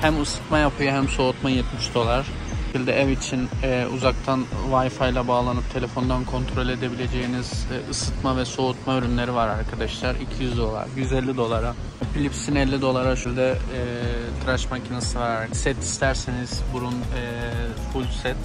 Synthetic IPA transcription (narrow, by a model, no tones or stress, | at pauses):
hæmɯsɯ̥t̪majapʰɯjaɦæmso̞ut̪majɛt̪miʃd̪o̞lˠaɾ̥ | ʃilʲd̪ɛɛvit͡ʃʰinɛːṵzak̚t̪ʰanvajfajlˠabaːlˠanɯp̚t̪ʰe̞lʲe̞fo̞nd̪ankʰo̞nt̪ʰɾo̞lʲe̞d̪e̞bilʲe̞d͡ʒe̞jiniz̥ɯsɯt̪mavɛso̞ut̪maøɾynlʲe̞ɾivaɾaɾkʰad̪aʃlˠaɾicʰijyzd̪o̞lˠa̰ɾɟyzɛlʲːid̪o̞lˠaɾa | pilʲipsinɛlʲːid̪o̞lˠaɾaʃylʲd̪ɛː | t̪ʰɾaʃmacʰinasɯvaɾaɾsɛt̪ʰi̥st̪ʰæɾseniz̥buɾunɛ | fulʲsɛt̪